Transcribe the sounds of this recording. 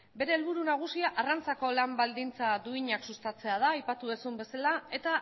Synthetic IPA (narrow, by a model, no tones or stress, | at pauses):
be̞ɾe̞ːlβuɾunaɣ̞usiaʔarant͡sako̞lambald̪int͡sad̪uiɲaksust̪at͡se̞að̞aːjpat̪uðesumbe̞salae̞t̪a